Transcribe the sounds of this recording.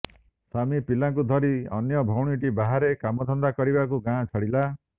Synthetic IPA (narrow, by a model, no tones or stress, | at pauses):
samipilak̬ud̪ʱɔɾiɔ̰njɔbʱɔwɽ̃iʈibaɦaɾekamɔd̪ʱɔnd̪akɔɾibakuɡãt͡ʃʰɔɽila